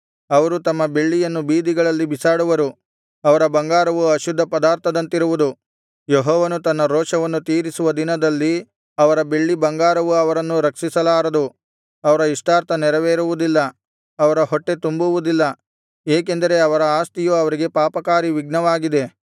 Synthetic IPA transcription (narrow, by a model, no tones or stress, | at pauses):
ɐʋɐɾut̪ɐmːɐbe̞ɭːijɐnːubiːd̪iɡɐɭɐlːibisaːɽuʋɐɾu | ɐʋɐɾɐbɐŋɡaːɾɐʋuɐʃud̪ʱːɐpɐd̪aːɾt̪ʰɐd̪ɐnt̪iɾuʋud̪u | joɦɔːʋɐnut̪ɐnːɐɾoːʂɐʋɐnːut̪iːɾisuʋɐd̪inɐd̪ɐlːi | ɐʋɐɾɐbe̞ɭːibɐŋɡaːɾɐʋuɐʋɐɾɐnːuɾɐksisɐlaːɾɐd̪u | ɐʋɐɾɐiʂʈaːɾt̪ʰɐnɛɾɐʋeːɾuʋud̪ilːɐː | ʋɐɾɐɦoʈːe̞t̪umbuʋud̪ilːɐ | eːk̬e̞nd̪ɐɾe̞ɐʋɐɾɐaːst̪ijuɐʋɐɾiɡe̞paːpɐkaːɾiʋiɡ̚nɐʋaːɡid̪e̞